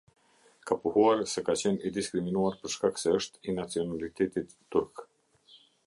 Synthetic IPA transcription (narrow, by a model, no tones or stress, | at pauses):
kapuhuaɾsɛkat͡ɕɛnid̪iskɾiminuaɾpəɾʃkaksɛəʃt̪inat͡siɔnalit̪ɛt̪it̪ːuɾk